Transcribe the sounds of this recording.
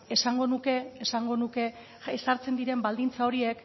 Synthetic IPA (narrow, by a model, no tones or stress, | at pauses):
e̞saŋɡo̞nuke̞ːsaŋɡo̞nuke̞ | esaɾt͡se̞nd̪iɾe̞mbald̪int͡sao̞ɾie̞k